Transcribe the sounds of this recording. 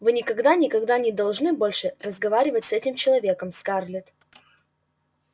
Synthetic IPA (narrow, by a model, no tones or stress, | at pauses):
vɨnʲɪkɐɡd̪anʲɪkɐɡd̪anʲɪd̪ɐlˠʐnɨbo̞lʲʂɨrəzɡɐvaɾʲɪvətʲsɛtʲɪmt͡ɕɪlˠɐvʲe̞kəmskarlʲɪt̪